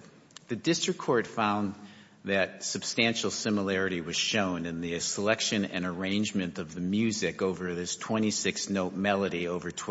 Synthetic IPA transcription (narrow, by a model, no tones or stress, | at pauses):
ðɨdɪstɹ̥ɨkʰːɔɹtfãʊ̃n | ðɨt̚sɨb̥stæ̃nʃl̩ˠsɪ̃məlɛɹɨɾiwʌz̥ʃõʊ̃nɨ̃nðɨsəlɛkʃɨ̃nɨ̰̃nə˞ẽɪ̃nd͡ʒmɨ̃ntʌvðɨmjʉzɪkoʊvə˞ðɪstʰw̥ɛ̃ɾ̃isɪksnoʊt̚mɛlˠəɾioʊvə˞tʰ